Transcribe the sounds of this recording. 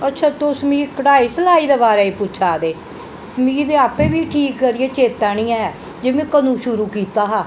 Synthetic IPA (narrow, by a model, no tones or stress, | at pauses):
ətːt͡ʃʰaːt̪osmĩːkəʈaːiːsəlaːiːd̪aːbaːɾaːiːpʊt͡ʃʰaːd̪eː | mĩːd̪eːaːpeːbiːʈʰiːkːəɾieːt͡ʃeːt̪aːɽ̃ĩːãːɛː | d͡ʒeːmẽːkənũːʃʊɾuːkiːt̪aːɦaː